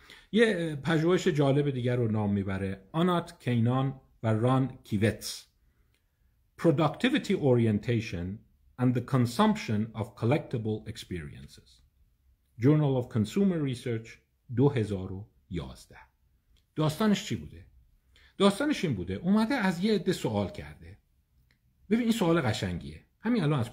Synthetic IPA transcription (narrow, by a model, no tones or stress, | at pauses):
jepʰæʒuːheʃed͡ʒɒːle̞bed̪iːɟæɾonɒːmːiːbæɾeɒnɒt̪kʰejnɒn | værɒnkʰivet̪s | pʰɾod̪ɑkt̪ʰivit̪ʰiʔoɾient̪ʰejʃon | æ̃nd̪ðekʰonsɒmpʃonɒvkʰolek̚t̪ʰebolekspiːɾḭḛnsez̥ | d͡ʒoɾnælɒvkʰonsuːmeɾːiseɾt͡ʃ | d̪oɦe̞zɒːɾo | jɒ̰ːzd̪æh | d̪̥ɒːst̪ɒːneʃt͡ʃʰibṵːd̪e̞ | d̪̥ɒːst̪ɒːneʃiːnbuːd̪eʔumæd̪eæzjeed̪ːesoɒːlcʰæ̰ɾd̪e̞ | b̥e̞biːniːnsoɒːleɣæʃæŋɟḭe | hæmiːnælɒːnæz̥